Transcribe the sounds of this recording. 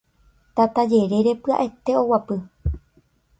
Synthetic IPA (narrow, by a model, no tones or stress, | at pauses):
t̪at̪ad͡ʒe̞ɾe̞ɾe̞pɨa̰ʔe̞t̪e̞o̞wapɨ